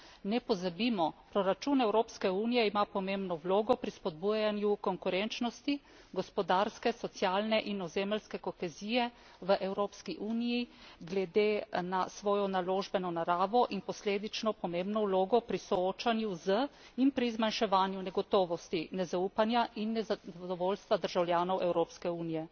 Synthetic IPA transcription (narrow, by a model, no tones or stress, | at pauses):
nɛpɔzabiːmɔpɾɔɾat͡ʃuːnɛwɾoːpskɛuːnijɛimapɔmeːmbnɔwloːɡɔpɾispɔd̪̚buːjanjukɔŋkuɾɛnt͡ʃnɔst̪i | ɡɔspɔd̪aɾskɛsɔt̪sjaːlnɛʔinɔzeːməlskɛkɔxɛziːjɛ | ʋəʔɛwɾoːpskiʔuːnijiɡlɛd̪enasʋɔːjɔnaloːʒbɛnɔnaɾaːʋɔʔinpɔsleːd̪it͡ʃnɔpɔmẽmbnɔwloːɡɔpɾisɔoːt͡ʃanjuzəinpɾizmanʃɛʋaːnjunɛɡɔt̪ɔːʋɔst̪inɛzauːpanjaʔinːɛzad̪ɔʋoːlst̪ʋad̪əɾʒawljaːnɔwɛwɾoːpskɛuːnijɛ